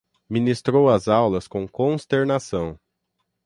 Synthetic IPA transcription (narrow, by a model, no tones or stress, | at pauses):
mĩnist̪ɾowɐzawlɐskõw̃kõst̪eɾnasɐ̃w̃